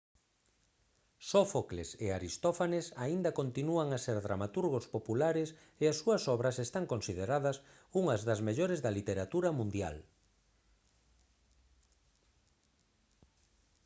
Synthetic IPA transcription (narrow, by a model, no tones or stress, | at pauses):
sofokleseaɾist̪ofanesaind̪ɐkont̪inuaŋaseɾðɾa̰mat̪uɾɣ̞ospopulaɾes | easːuɐsɔβɾɐsest̪aŋkonsið̞eɾaðɐs | uŋɐzðɐzmeʎoɾezðɐlit̪eɾat̪uɾɐmũnd̪ja̰l